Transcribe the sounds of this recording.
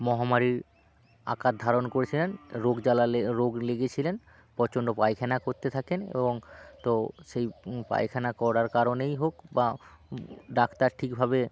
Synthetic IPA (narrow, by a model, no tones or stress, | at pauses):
mɔɦamaɾiɾ | a̰kat̪̚d̪ʱaɾonkoɾet͡ɕʰilenɾoɡd͡ʑalaɾoɡleɡet͡ɕʰilen | pɔt͡ɕonɖopajkʰɛnakoɾt̪et̪ʰakenḛboŋt̪oʃejpa̰jkʰɛnakɔɽaɾkaɾonejɦokba | ɖakʰt̪aɾʈʰikbʱabe